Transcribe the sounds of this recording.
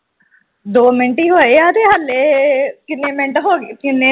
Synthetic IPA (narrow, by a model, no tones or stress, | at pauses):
d̪oːmɪɳʈiɦoːeaːɾeɦɐlːekɪnemẽɳʈɦoːɡkɪne